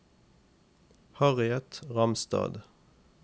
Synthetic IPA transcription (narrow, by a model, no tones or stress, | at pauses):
hɑʁɪɛt̪ʁɑmst̪ɑ̰ːd̪